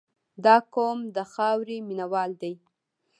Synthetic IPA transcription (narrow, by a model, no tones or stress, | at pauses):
d̪ɑkomd̪əxɑwɾiminawɑld̪aj